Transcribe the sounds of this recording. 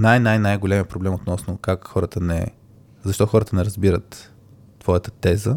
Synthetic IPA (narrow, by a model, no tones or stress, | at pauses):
najnajnajɡolɛmiəpɾoblɛmot̪nɔsnʊkakxɔɾət̪ənɛ̰ | zɐʃt̪ɔxɔɾət̪ənɛɾɐzbiɾət̪ː | v̥ɔjət̪ə̥t̪ɛzə